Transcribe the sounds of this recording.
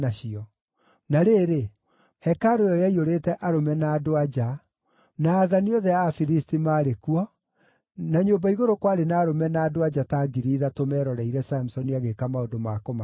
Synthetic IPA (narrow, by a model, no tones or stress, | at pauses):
aɕiɔ | naɾeːɾe | hɛkaɾojɔjaioɾeːtɛʔaɾomɛnaːdoad͡ʒa | naːðaniɔðɛafiɾistimaːɾekuɔ | naɲoːmbaiɣoɾokwaɾenaːɾomɛnaːdoad͡ʒataːɡiɾiːðatomɛɾɔɾaiɾɛsamusɔniaɣekamaodomakoma